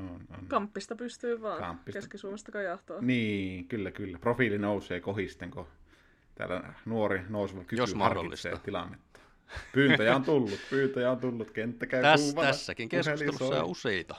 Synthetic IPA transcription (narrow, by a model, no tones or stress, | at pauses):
ono̰nkɑmpːist̪ɑpyst̪yːʋɑːnkɑ̰mpːiskeskisuomest̪ɑkɑjɑht̪oːniːŋkylːækylːæprofilinouseːkohist̪eŋko | t̪æ̰ːlːæ̰nuorinoˑusiʋɑkykyɑrkiːḭsḛjt̪ilɑ̰nːet̪ːɑ̥ | pyːnæjæont̪ulːut̪pyːnt̪æjæont̪ulːut̪kent̪ːækæyæuːʋɑsːækiŋkesseliso̰ːuseit̪ɑ